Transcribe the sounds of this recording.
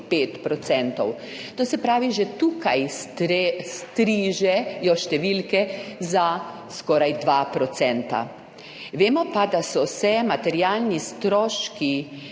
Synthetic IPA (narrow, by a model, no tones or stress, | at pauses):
peːt̪pɾɔt̪sɛnt̪ɔw | t̪oːsɛpɾaːʋiʒɛt̪uːkaj | st̪ɾiʒɛjɔʃt̪ɛʋilkɛza | skɔːɾajd̪ʋapɾɔt̪sɛnt̪a̰ | ʋeːmɔpad̪asɔsɛmat̪ɛɾjalnist̪ɾɔːʃki